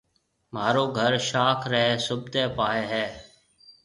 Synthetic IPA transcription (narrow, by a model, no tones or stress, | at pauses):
maːɾoːɡʱəɾʃaːkʰɾəɦeːsʊb̚t̪eːpaːɦeːɦɛː